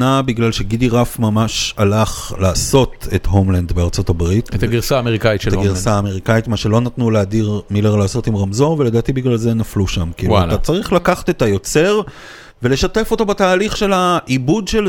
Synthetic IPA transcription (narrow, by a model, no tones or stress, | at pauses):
nabiɡlalʃe̞ɡidiʁafmamaʃalaχlaːso̞te̞tɦomland̪beaʁt͡so̞tabʁit̪t̪aɡiʁsaːmeʁikaittaɡiʁsaːmeʁikaitmaʃelo̞natnuleadiʁmileʁlaːsotimʁamzo̞veledaːt̪ibiɡlalzenafluʃamkiːwualtat͡saʁiχlakaχḁtetajo̞t͡se̞ʁ | vele̞ʃate̞fo̞to̞bataːliχʃe̞laʔibudʃel